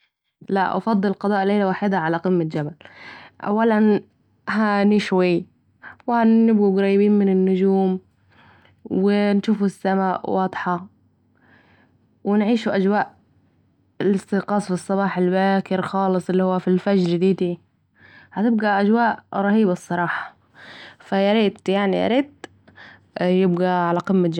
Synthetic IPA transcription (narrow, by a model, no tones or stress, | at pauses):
la̰ʔʔɑ̰fɑd̪ˤːɨlqɑd̪ˤɑːʔleːlawaːħɪːd̪aʕalaqɪmːad͡ʒabalʔa̰wːalan | ɦaniːʃwajː | wɪhanɪb̚ɡuɡɾɑːjːɪbiːnmɪnɪnːʊd͡ʒuːm | wwɪnʃuːfusːamaːʔwɑːd̪ˤħɑ | wɪnʕiːʃuʔad͡ʒwaːʔ | lɪst̪ɪqɑːsˤfisˤːɑβɑːħalbaːkɪɾxɑːlɨsˤʔɪlːihuwːafilfad͡ʒd͡ʒd̪iːd̪i | hat̪ɪb̚ɡaʔad͡ʒwaːʔɾˤɑhiːbɑsˤːɑɾˤɑːħɑ̥ | fajaɾiːt̪jaʕnḭʔa̰ɾiːt̪ | jɪbɡaʕalaqɪmːad͡ʒ